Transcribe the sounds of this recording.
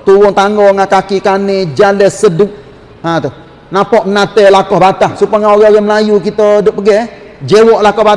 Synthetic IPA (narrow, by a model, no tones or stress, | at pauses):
t̪uɣʊŋt̪aŋɡɔŋakakikanɪd͡ʒalɛsədʊʔ̚ | hat̪uh | napɔʔmənat̪elakɔhbat̪ahsupaŋaoɣɛoɣɛməlajuk̬it̪ədʊʔpəɡɛ | d͡ʒewɔʔlakɔhba